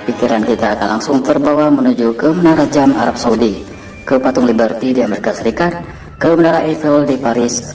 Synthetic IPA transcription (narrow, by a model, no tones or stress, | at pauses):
pikiɾankit̪aːkanlaŋsʊŋt̪ərbawamənud͡ʒukəmənaɾad͡ʒama̰ɾap̚saudi | kəpat̪ʊŋlibərt̪idiameɾikasəɾikat̪̚ | kəmənaɾaɛfeɔldipaɾɪs